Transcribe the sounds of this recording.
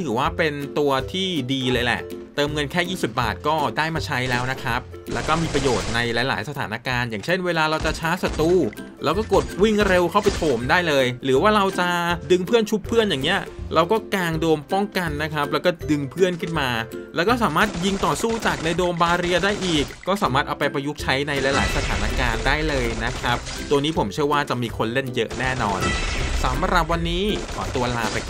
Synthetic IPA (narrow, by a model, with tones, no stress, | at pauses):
t̪ʰɯː˩˦waː˥˩pe˧nt̪u˧ɐt̪ʰiː˥˩diː˧lɤː˧jlɛ̰˨˩ʔt̪ɤː˧mŋɤ˧nkʰɛː˥˩jiː˥˩si˨˩p̚ba̰ː˨˩t̪̚kɔː˥˩daː˥˩jmaː˧t͡ɕʰa˦˥jlɛː˦˥wna˦˥kʰɾa˦˥p̚ | lɛː˦˥wkɔː˥˩miː˧pɾa˧joː˨˩t̪̚na˧jla˨˦la̰ː˩˦jsa˧aː˩˦na˦˥kaː˧njaː˨˩ŋt͡ɕʰe˥˩nweː˧laː˧ɾa˧wt͡ɕa˨˩t͡ɕʰaː˦˥sa˧˩t̪uː˧˥˩lʔɛː˦˥wkɔː˥˩ko˨˩t̪̚wi˥˩ŋɾe˧wkʰa˥˩wpa˧jt̪ʰoː˨˩mdaː˥˩jlɤː˧jɾɯː˩˦waː˥˩ɾa˧wt͡ɕa˨˩dɯ˧ŋpʰɯ˥˩ənt͡ɕʰu˦˥pʰːɯ˥˩ənjaː˨˩ŋːni˦˥ɐɾʔa˧wkɔː˥˩kaː˧ŋdoː˧mpɔ˥˩ŋka˧nːa˦˥kʰɾa˦˥p̚lɛ˦˥wkɔː˥˩dɯ˧ŋpʰɯ˥˩ənkʰɯ˥˩nmaː˧lɛ˦˥wkɔː˥˩saː˩˦maː˥˩t̪̚ji˧ŋt̪ɔː˨˩suː˥˩t͡ɕaː˨˩k̚na˧jdoː˧mbaː˧ɾi˧ɐdaː˥˩jʔiː˨˩kːɔː˥˩saː˩˦maː˥˩ʔa˧wpa˧jpɾa˧ju˦˥k̚t͡ɕʰa˦˥jna˧jla˧jla̰ː˩˦jsa˧t̪ʰaː˩˦na˦˥kaː˧ndaː˥˩jlɤː˧jna˦˥kʰa˦˥p̚t̪u˧əniː˦˥pʰo˩˦mt͡ɕʰɯ˥˩əwaː˥˩t͡ɕa˨˩ʔmiː˧kʰo˧nle˥˩njɤ̰˦˥ʔnɛː˥˩nɔ̰ː˧nsa˩˦mɾa˨˩p̬̚wa˧nːiː˦˥kʰɔ̰ː˨˩˦t̪u˧ɐlaː˧pa˧j